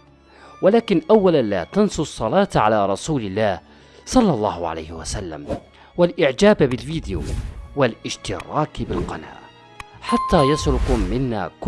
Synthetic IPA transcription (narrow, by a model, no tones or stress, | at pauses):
walaːkɪnʔawːalanla̰ːt̪ansˤʊsˤːɑlɑːt̪ʕalaːɾˤɑsuːlɪlːaːh | sˤɑlːɑlˤːɑ̰ːhʕa̰la̰jhɪwasalːa̰m | walʔɪʕd͡ʒaːbbɪlviːd̪ɪjṵwalʔɪʃt̪ɪɾˤɑːkbɪlqɑna̰ːʔ | ħat̪ːaːjasɾʊqmɪnːa̰ːk